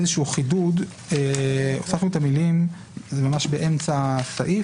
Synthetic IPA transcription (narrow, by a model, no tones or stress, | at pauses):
ezeʃuuχidud̪ | eosaχnuet̪amilim | zemamaʃbeʔemt͡sasaʔi